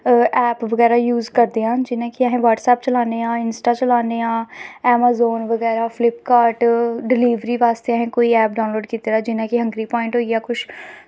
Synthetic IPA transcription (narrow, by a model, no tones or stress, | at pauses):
ʔɛːpʋəɣɛːɾaːjuːzkəɾd̪eːɦãːd͡ʒɪnãːkiɛːɦẽːʋaːʈsɛːp̚t͡ʃəlaːneːãːɪnsʈaːt͡ʃəlaːneːãːɛːmaːzoːnʋəɣɛːɾaːfʰlɪpkaːɾʈɖɪliːʋɾiːʋaːst̪eɦɛ̃ːkoːiɛːp̚ɖaːnloːɖkiːt̪ɾaːd͡ʒɪnãːkiɦə̃ŋɡɾiːpɔːɪ̃ɳʈɦoːiaːkʊt͡ʃʰ